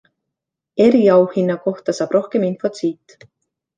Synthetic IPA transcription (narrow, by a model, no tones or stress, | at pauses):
ɛɾjaːwhinːakɔht̪asapɾɔhkɛminfat̪ʰiːt̪